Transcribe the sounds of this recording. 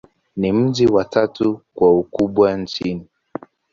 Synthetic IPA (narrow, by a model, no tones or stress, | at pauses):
nim̩ʄiwatatukwaukuɓwant͡ʃini